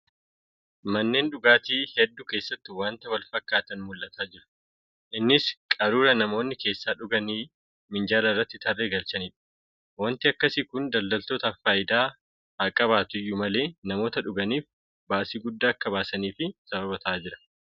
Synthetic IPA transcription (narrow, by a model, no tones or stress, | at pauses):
mɐnːe̞ːnᶑʊɡaːt̪iːhɛd̪ːʊke̞ːsːɐt̪ːɪwaːnt̪ɐwɐlfɐkːaːt̪ɐnmʊlʔɐt̪ʰaːd͡ʒɪɾʊ̥ | ʔɪnːɪskʼɐɾuːɾɐnɐmo̞ːnːɪke̞ːsːaːᶑʊɡɐniː | mɪnd͡ʒaːlɐɪrːɐt̪ːɪt̪ʰɐrːeːɡɐlt͡ʃɐniːᶑɐ̥ | wɐnt̪ɪɐkːɐsikʊnd̪ɐld̪ɐlt̪o̞ːt̪ɐfaːjɪd̪aː | hakʼɐβaːt̪ʊjːʊmɐle̞ːnɐmo̞ːt̪ɐᶑʊɡɐniːf | baːsiːɡʊd̪ːaːɐkːɐbaːsɐniːfɪsɐbɐβɐt̪ʰaːd͡ʒɪɾɐ̥